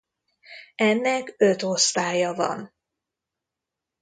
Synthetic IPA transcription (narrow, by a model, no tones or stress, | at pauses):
ɛnːɛkøt̪o̞st̪aːjɒvɒ̰n